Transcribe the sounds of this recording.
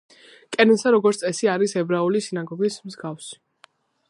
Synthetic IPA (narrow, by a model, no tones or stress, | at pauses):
kʼɛnɛnsaɾɔɡɔɾt̪sʼɛsiaɾisɛbɾaulisinaɡɔɡismzɡafsi̥